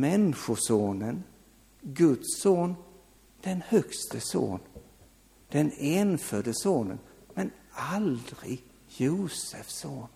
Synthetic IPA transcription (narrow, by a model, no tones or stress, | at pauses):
mɛnɧʊʂoːnən | ɡɵt̪soːn | d̪̥ɛnhœkst̪əso̰ːn | d̪̥ɛneːnfœːɖəsoːnə̰nmɛnald̪ɾɪ̰ɡ | juːsəfsoːn